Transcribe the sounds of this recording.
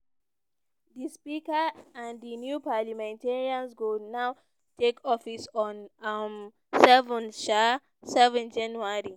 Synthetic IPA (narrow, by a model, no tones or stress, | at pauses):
dispikaãndinjupalamɛ̃nteɹiãnsɡonaʊ | tʰekʰɔfisɔ̃nm | sɛvə̃nʃa | sɛvɛ̃nd͡ʒãnuaɹi